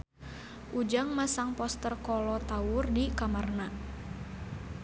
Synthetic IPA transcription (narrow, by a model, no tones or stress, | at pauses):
ʔud͡ʒaŋmasaŋpɔst̪ərkɔlɔt̪aʊrdikamarna